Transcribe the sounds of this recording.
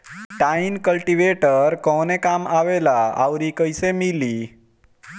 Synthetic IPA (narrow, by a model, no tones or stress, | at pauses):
ʈainkəlʈiʋeʈəɾkɔnekamaʋelaa̰ʋɾikəjsemili